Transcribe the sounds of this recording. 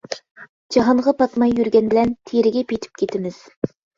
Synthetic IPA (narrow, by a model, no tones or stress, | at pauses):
d͡ʒɑɦɑɴʁɑpɑt̪mɑjːyɾɡʲɛnbɪlɛnt̪ʰeɾɪɡʲɛpet̪ʰɪ̥p̚kʲʰet̪ʰɪmɪz̥